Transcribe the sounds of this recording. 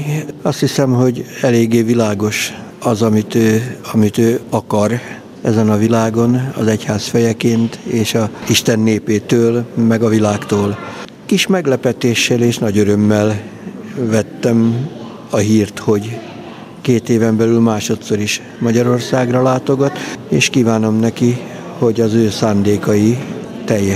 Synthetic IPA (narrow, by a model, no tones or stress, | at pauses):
ɒst̪hisɛmɦo̞ɟɛleːɡːeːvilaːɡo̞ʃɒzɒmit̪øːɒmit̪øːɒkɒr | ɛzɛnɒvilaːɡo̞nɒ̰zɛchaːsfɛjɛkeːnt̪eːʃɒiʃt̪ɛnːeːpeːt̪øːlmɛɡɒvilaːkt̪oːl | kiʃmɛɡlɛpɛt̪eːʃːɛleːʃnɒɟøɾø̞mːɛl | vɛt̪ːɛm | ɒɦiːrt̪ho̞ɟ | keːt̪eːvɛmbɛlylmaːʃo̞t̪so̞ɾiʃ | mɒɟɒɾo̞rsaːɡrɒlaːt̪o̞ɡɒt̪eːʃkiːvaːno̞mnɛki | ho̞ɟɒzøːsaːnd̪eːkɒji | t̪ɛjːɛ